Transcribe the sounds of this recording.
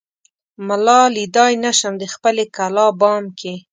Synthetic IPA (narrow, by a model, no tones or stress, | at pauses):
malɑlid̪ɑjnaʃəmd̪əxpəlekalɑbɑmkʰe